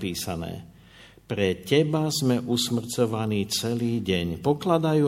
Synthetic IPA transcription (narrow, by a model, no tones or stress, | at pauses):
piːsanɛ̰ː | pɾɛcɛbazmɛʔusmr̩t͡sɔʋaniːt͡sɛliːɟɛɲpɔklad̪ajuː